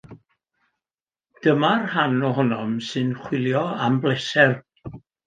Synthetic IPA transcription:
d̥əmarhanɔɦɔnɔmsɨnχwɪlˠjɔamblɛsɛr

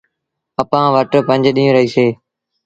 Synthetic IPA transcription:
əpãːʋəʈɾpə̃ɲd͡ʒɗĩːũːɾəɦiːseː

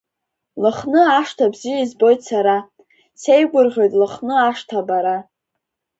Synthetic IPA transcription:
lɨχnɨaʂtʰabzijaizbo̞jtʼsaɾa | se̞jɡʷʼʊrʁʲo̞jtʼlɨχnɨaʂtʰabaɾa

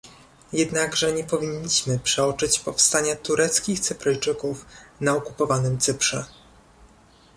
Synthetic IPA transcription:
jɛd̪naɡʐɛɲɛpɔvʲiɲːiɕmɘpʂɛɔt͡ʂɘt͡ɕpɔfst̪aɲat̪uɾʔɛt̪skʲixt̪sɘpɾɛjt͡ʂɘkufnaɔkupɔvanɘmt̪sɘpʂɛ̰

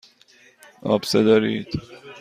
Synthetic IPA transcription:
ɒ̰ːbsed̪ɒɾiːd̪̥

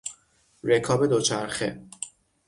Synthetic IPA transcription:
rekʰɒːbe̞d̪ot͡ʃʰæɾxḛ

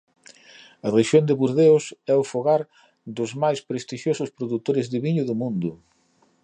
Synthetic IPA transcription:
ɐðeʃjond̪ɪβuɾðeʊsɛʊfoɣaɾ | d̪ʊzmajspɾest̪iʃjosʊspɾoðut̪oɾɪzðɪβiɲʊðʊmũnd̪ʊ

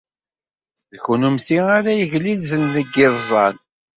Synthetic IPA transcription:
ðçunumθiaɾajəʝlilzənðəɡːɪðˤzˤɑl

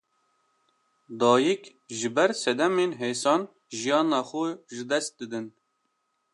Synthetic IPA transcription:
d̪ɑːjik | ʒɨbɛɾsɛd̪ɛmeːnɦeːsɑːn | ʒijɑːnɑːxuʒɨd̪ɛst̪̚d̪ɨd̪ɨn

